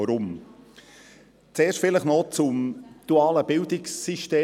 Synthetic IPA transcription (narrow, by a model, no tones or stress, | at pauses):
ɔɾʊm | t͡seːʃtfɪləχnɔt͡sʊmd̥uaːləbɪldɪksːiʃteː